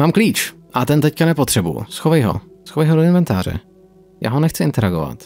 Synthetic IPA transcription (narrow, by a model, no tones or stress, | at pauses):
maːmkliːt͡ʃ | ʔat̪ɛnt̪ɛckanɛpo̞t̪r̝̥ɛbṵjṵsxovɛjɦo̰ | sxovɛjɦodoɪnmɛnt̪aːɾ̝ɛ̰ | ja̰ːɦonɛxt͡sɪʔɪnt̪ɛɾaɡo̞̰va̰t̪